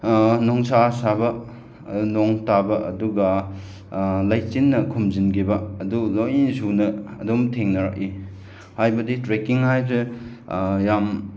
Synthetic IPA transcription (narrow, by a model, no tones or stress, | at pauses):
nɔŋsasabɐ | noŋtabɐʔɐduɡɐ | lajt͡ʃinːɐkʰumzinɡibɐːdulojisunɐːdumtʰeŋnɐɾa̰k̚i | hajbɐditɾekiŋhajze | jam